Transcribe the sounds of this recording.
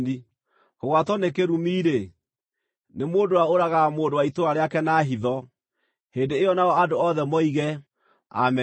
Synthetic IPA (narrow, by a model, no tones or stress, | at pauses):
ni | hoɣwatɔnekeɾumiːɾe | nemoːndowaoɾaɣamoːndowaitoɾaɾeakɛnaːɦiðɔ | heːndeeɔnaɔadoɔðɛmɔiɣɛ | a̰mɛ